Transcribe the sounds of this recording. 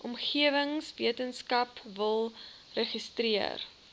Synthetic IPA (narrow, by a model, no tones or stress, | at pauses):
ʔɔmχiəvəŋsviətənskɐpvəlˠ | rəχistriə̰r